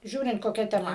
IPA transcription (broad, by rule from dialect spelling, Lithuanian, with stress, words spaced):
ˈʒʲuːrʲɪnt koːˈkʲɛ tʲɛˈmɐ